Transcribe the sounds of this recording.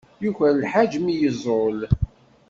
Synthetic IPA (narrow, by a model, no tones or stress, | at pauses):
juçəɾlħad͡ʒmijəzˤol